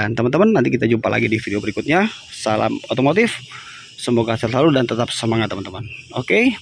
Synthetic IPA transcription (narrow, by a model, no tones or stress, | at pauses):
ant̪əmənt̪əmənːant̪ikit̪ad͡ʒumpa̰lʔa̰ɡidifideobəɾikʊt̪̚ɲasala̰mot̪omot̪ɪf | səmoɡaasɪrlaludant̪ət̪ap̚səmaŋat̪ːəmənt̪əmənoke